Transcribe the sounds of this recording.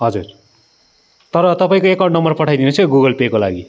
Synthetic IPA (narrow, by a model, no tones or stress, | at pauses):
ɦʌd͡zur | t̪ʌɾʌt̪ʌpaĩkoekaɳnʌmbʌrpʌʈʰajd̪inest͡sʰʌɡuɡʌlpekolaɡi